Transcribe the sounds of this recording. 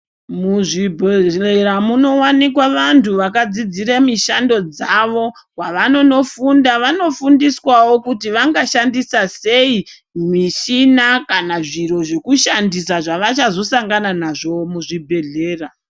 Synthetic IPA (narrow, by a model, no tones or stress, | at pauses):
muʐibʱeeramuno̞wanikwaʋantʰuʋakad͡zid͡ziɾemiʃando̞d͡zaʋo̞ | waʋano̞no̞fundaʋano̞fundiswawo̞kutiʋaŋɡaʃandisase̞i | miʃinakanaʐiro̞ʐe̞kuʃandisaʐaʋat͡ʃazo̞saŋɡananaʐomuʐibʱe̞ɮe̞ːra